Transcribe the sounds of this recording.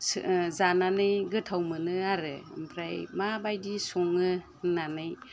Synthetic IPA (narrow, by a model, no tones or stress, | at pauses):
szananɯjɡɯtʰawmɯnɯaɾɯmpʰɾajmabajdisɔŋɯ | nanɯj